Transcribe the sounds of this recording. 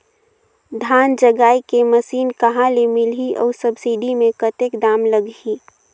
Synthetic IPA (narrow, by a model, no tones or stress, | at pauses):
d̪ʱaːnd͡ʒəɡaːikeməsiːnkəɦãlemɪliʔɔ̰ːɾsəbsiɖimẽkət̪ekd̪aːmləɡi